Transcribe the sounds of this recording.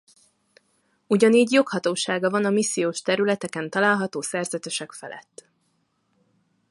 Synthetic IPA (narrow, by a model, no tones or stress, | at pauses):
uɟɒniːɟjo̞khɒt̪oːʃaːɡɒvɒnɒmisːijoːʃt̪ɛɾylɛt̪ɛkɛnt̪ɒlaːlɦɒt̪oːsɛrzɛt̪øʃɛkfɛ̰lɛ̰t̪ː